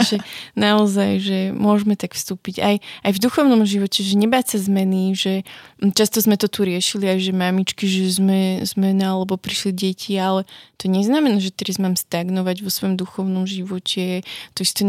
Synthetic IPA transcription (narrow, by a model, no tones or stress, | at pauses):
ʒɛnaɔzajʒɛmʊɔʒmɛt̪akfst̪uːpiɟajajvd̪uxɔʊnɔmʒiʋɔcɛʒɛɲɛbaːcsazmɛniʒɛt͡ʃast̪ɔzmɛt̪ɔt̪uɾɪɛʃiliajʒɛmamit͡ʃkiʒɛzmɛzmɛnaalɛbɔpɾiʃliɟɛcʰialɛt̪ɔɲɛznamɛnaʒɛt̪ɛɾazmaːmst̪aɡnɔʋaɟʋɔsʋɔjɔmd̪uxɔʊnɔmʒiʋɔcʰɛt̪ɔist̪ɛ